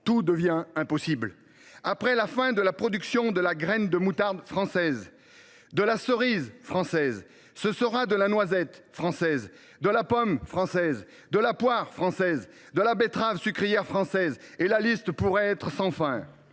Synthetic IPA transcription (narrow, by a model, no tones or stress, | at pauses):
t̪ud̪əvjɛ̃ɛ̃pɔsibl | apχɛlafɛ̃d̪əlapχɔd̪yksjɔ̃d̪əlaɡʁɛnd̪əmut̪aʁd̪fχɑ̃sɛz | d̪əlasəʁizfχɑ̃sɛz | səsəʁad̪əlanwazɛt̪fχɑ̃sɛz | d̪əlapɔmfχɑ̃sɛz | d̪əlapwaʁfχɑ̃sɛz | d̪əlabet̪χavsykχijɛʁfχɑ̃sɛzelalist̪puʁɛɛt̪χsɑ̃fɛ̃